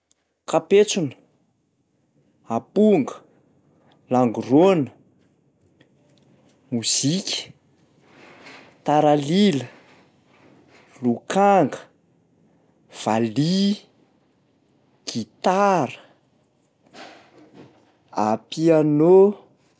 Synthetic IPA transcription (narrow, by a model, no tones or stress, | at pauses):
kapet͡sunə̥ | apuŋɡə̥ | laŋɡuronə̥ | muzikʲə̥ | t̪aɾalilə | lukaŋɡə | v̥ali | ɡ̥it̪aɾə̥ | apiano